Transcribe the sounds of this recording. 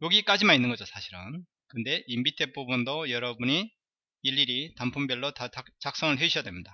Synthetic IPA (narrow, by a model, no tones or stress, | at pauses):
joɡik͈ad͡ʑimaninːɯnɡʌd͡ʑosʰaɕʰiɾɯ̰n | kɯʌnde̞ʔimbitʰep͈ubundojʌɾʌbuɲiː | ʎːiɾitampʰumbjʌɭːotat͡ɕak̚s͈ʌŋɯɭɦeuɕʰijadwemɲida